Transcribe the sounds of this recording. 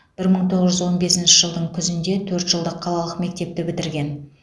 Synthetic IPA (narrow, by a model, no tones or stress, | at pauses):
b̥ɪɾməɴt̪ʰo̞ʁəzʒʏzwo̞nbe̞sɪnʃɪʒəlˠd̪əɴkʲʰʏzɪnd̪e̞t̪ʰɵɾt̪ʒ̥əlˠd̪əqʰːɑlˠɑlˠəqme̞k̚t̪e̞p̚t̪ɪbɪt̪ɪɾɡʲe̞n